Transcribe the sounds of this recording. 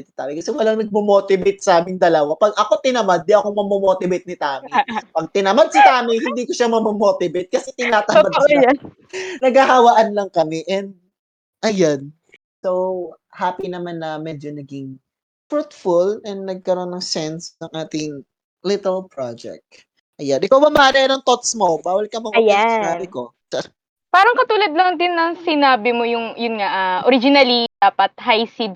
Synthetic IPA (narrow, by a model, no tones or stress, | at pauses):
t̪sɪt̪aːmɪkɐsɛwɐlɐŋnɐɡ̚momot̪ɪbejt̪̚sɐʔaːmɪŋd̪ɐlɐwapɐɡʔɐko̞t̪ɪnɐmad̪̚ːiʔɐkomɐmomot̪ɪbejt̪̚nɪt̪aːmɪpɐɡ̚t̪ɪnɐmad̪̚sɪt̪aːmɪjhɪnd̪iːkoʃamɐmomot̪ɪbejt̪̚kɐsɛt̪ɪnaːt̪ɐmad̪ | nɐɡhɐhɐwɐʔanlɐŋkɐmɛʔɛnd̪̚ | ʔɐjan | sow | haːpinɐmanːɐmɛd͡ʒonɐɡiŋ | fɹut̪fʊlɛnd̪nɐɡ̚kɐɾo̞nːɐŋsɛnsnɐŋʔaːt̪ɪŋ | lɪt̪ɛlpɹad͡ʒɛ̰k̚t̪̚ | ʔɐjanʔɪkawmɐmɐaːnɐɐnoŋt̪ot̪smo̞baːwɐlkɐmɐŋɐjasɪnaːnbɪkosɐ | paːɾɐŋkɐt̪uːlɐd̪̚lɐŋd̪ɪnːɐŋsɪnaːbɪmojʊŋjʊnŋaʔaʔoɾɪd͡ʒɪnɐlid̪aːpɐt̪̚hajsid̪̚